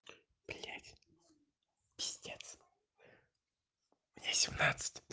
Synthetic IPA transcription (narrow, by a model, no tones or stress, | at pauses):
pʲlʲatʲ | pʲɪ̥sʲtʲet̪s | mnʲasʲɪmnat̪sɨ̥tʲ